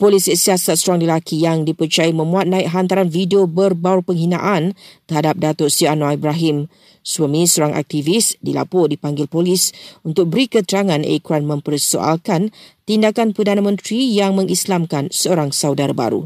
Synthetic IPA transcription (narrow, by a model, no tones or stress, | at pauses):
polisisiasat̪̚soɾaŋləlakʰijaŋdipərt͡ʃajimə̃mũat̪̚nãik̚ɦant̪aɾanfidiobərbaʊrpəŋɦinã̰ʔant̪əhadap̚dat̪ʊsianaibɾaɦɪm | swamĩsoɾaŋʔa̰k̚t̪ivisdila̰pɔdipaŋɡɪlpolisunt̪ʊk̚bəɾikət̪əɾaŋãnḛkɾanmə̃mpərso̰ʔa̰lkant̪indakanpərdanãmə̃nt̪ɾijaŋmə̃ŋislamkansəoɾaŋsawdaɾaba̰ɾṵ